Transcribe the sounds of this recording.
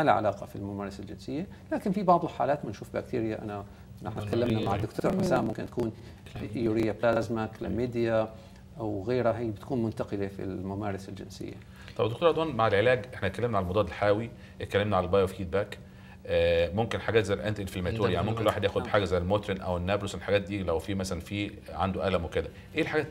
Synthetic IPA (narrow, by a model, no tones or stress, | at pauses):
mala̰ʕa̰laːqɑfilmʊmaːɾˤɑsald͡ʒɪnsɪjːalaːkɪnfibɑʕðˤɪlħa̰ːlaːt̪manʃuːfbækt̪iːɾɪjaʔana | nːɪħnat̪kalːamnamaʕad̪ʊkt̪ʰoːɾˤħasaːmʊmkɪnt̪ḁkuːn | ʔjuɾɪjːablazmaklɪmeːd̪ja | ʔawɣeːɾaɦijːbɪt̪kuːnmʊnt̪aqɪlefḭlmʊmaːɾˤɑsald͡ʒɪ̰nsɪ̰jːa̰ | t̪ˤɑbd̪okt̪oːɾʔɑd̪wɑːnmaʕelʕelæːɡʔeħnæet̪̚kælːemnaʕalæmod̪ˤɑːd̪elħaːwi | ʔet̪̚kælːemnæʕalælbɑːjofiːt̪̚bækː | momkɪnħaɡæːt̪zæjːæʔent̪ʔenflæmæuːɾjaʕnimomkenlwaːħed̪jæːxod̪beħaːɡæzæjælmoːt̪ɾinʔæwenːæːbloslħaɡæːt̪̚d̪iːlæwfiːmæsælænfiː | ʕa̰nd̪oʔælæmweked̪æ | ʔeːlħaɡæːt̪